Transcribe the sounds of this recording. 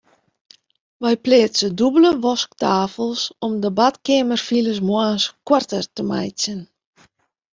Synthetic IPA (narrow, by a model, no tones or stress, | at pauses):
ʋɛjpleːtsədubələʋɔsktaːfəlˠsɔmdəbatkeːmərfiləs̬mwanskwartərtəma̰jsən